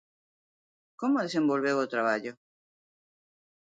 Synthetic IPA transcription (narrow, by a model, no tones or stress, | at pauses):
komoðesẽmbolβewot̪ɾaβaʎo